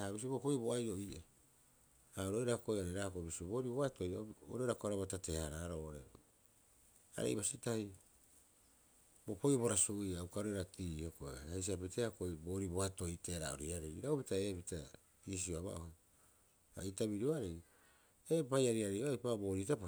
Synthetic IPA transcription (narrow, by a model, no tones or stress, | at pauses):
abis̬ibokojboajo̞iʔa | aoɾojɾako̞jaɾeɾakobisibo̞ːɾiboato̞jao̰ɾoɾakoaɾaβatate̞haɾaɾoːʔoɾe | a̰ɾḛjβasitahi | bopojoboɾasuʔiawkaɾoiɾatiːhoko̰hejs̬iapiteakojbo̞ːɾiboato̞iteɾa̰oɾiaɾejɾaopitae̞ːpita | iːs̬ioaβa̰ʔo | a̰itaβiɾoaɾej | epajaɾiaɾejʔojpaboːɾitap